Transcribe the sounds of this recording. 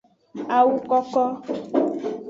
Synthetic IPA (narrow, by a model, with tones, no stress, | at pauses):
a˨wu˦kɔ˦kɔ˦